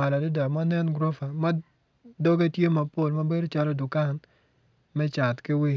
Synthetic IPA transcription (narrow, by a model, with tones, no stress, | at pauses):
a˨la˨dɪ˦da˨ma˦nɛ˦nɡɾɔ˦fa˨ma˦ | dɔ˦ɡe˦tje˦ma˨po˦˨lma˦be˦do˦t͡ʃa˦lɔ˦dʊ˨ka˦˨n | mɛ˦t͡ʃa˨t̪kɪ˦wɪ˦